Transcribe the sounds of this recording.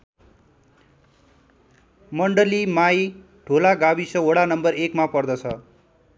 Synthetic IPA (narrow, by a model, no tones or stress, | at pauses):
mʌɳɖʌlimaj | ʈʰolaɡabisʌoɽanʌmbʌrekmapʌrd̪ʌt͡sʰʌ